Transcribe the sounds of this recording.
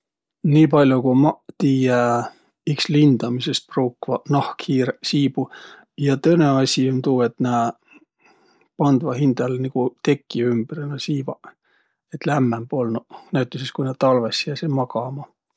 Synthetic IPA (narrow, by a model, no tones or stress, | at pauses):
niːpɑlʲjukumɑt̪iːje | ikslind̪̥ɑmisest̪̚proːkːvɑnɑhkhiːɾesiːbu | jɑt̪øneɑsʲimt̪uːet̪næː | pɑnd̪̥vɑhind̪̥ɑlnikut̪e̞kːiymb̥renɑsiːvɑ | et̪læmːembolnunæyt̪ːˑuseskunet̪ɑlvesiæsemɑkɑmɑ